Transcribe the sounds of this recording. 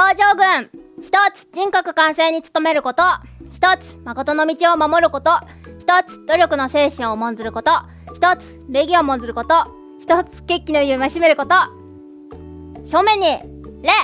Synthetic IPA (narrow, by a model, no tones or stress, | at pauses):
koːʑo̞ːɡɯ̟̃ŋçi̥t̪ot͡sɨ̥ʑĩŋkokɯ̟̥kãɰ̃se̞ɲ̟it͡sɨ̥t̪o̞me̞ɾɯ̟ko̞t̪oçi̥t̪ot͡sɨ̥mako̞t̪o̞no̞mʲit͡ɕio̞mamo̞ɾɯ̟ko̞t̪o̞ | çi̥t̪o̞t͡sɨ̥d̪̥o̞ɾʲo̞kɯ̟no̞se̞ːɕĩɰo̞mõ̞nzɨɾɯ̟ko̞t̪o̞ | çi̥t̪o̞t͡sɨ̥ɾe̞ɡʲio̞mõnd͡zɨɾɯ̟ko̞t̪o̞ | çi̥t̪ot͡sɨ̥ke̞kʲːinojɯmaɕime̞ɾɯ̟ko̞t̪o | ɕomẽ̞ɲ̟i | ɾe̞